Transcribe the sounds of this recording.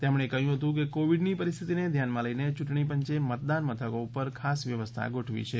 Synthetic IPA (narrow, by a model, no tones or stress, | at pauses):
t̪emɽ̃ekəɦjũɦət̪ũk̬ekoʋiɖnipəɾist̪ʰit̪ined̪ʱjanmãləinet͡ʃuʈɳip̬əɲt͡ʃemət̪̚d̪anmət̪ʰəkoupəɾkʰasʋjəʋəst̪ʰa̰ɡoʈʰʋḭt͡ʃʰe